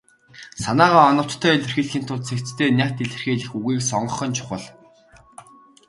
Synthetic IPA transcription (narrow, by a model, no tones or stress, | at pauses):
sanaːʁaːɔnə̆w̥t̪ʰːœːeɮĕrxiːɮxiːnt̪ʰʊɮt̪t͡sʰekt͡st̪ʰeːnʲæːkʰʲt̪iɮɘ̆rxeːɮɘ̆xuɣiːksɔɴɢɞ̆χɞ̆nt͡ɕʰʊ̥χə̆ɮ